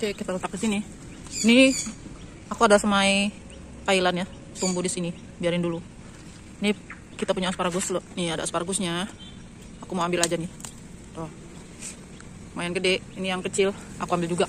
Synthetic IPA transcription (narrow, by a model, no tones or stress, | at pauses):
kekit̪alət̪ak̚disini | ni | akuadasəmai | t̪ailanja | t̪umbudisini | biaɾɪndulu | ni | kit̪apuɲaaspaɾaɡusloʔniadaaspaɾaɡusɲa | akumaambɪlad͡ʒanɪ | t̪ɔh | əmajankədɛʔinijaŋkət͡ʃɪlakuambɪld͡ʒuɡa